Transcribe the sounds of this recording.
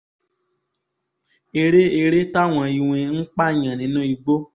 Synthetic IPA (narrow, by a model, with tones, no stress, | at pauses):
e˧ɾe˦e˧ɾe˦ta˦˨w̃ɔ̃˧i˧w̃ẽ˧ŋ̩˦k͡pa˦˨ɲã˨nĩ˨˦nũ˦i˧ɡ͡bo˦